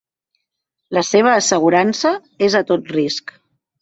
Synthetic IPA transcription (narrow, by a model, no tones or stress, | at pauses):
ləseβ̞əːsəɣ̞uɾansə | ezət̪ot̪risk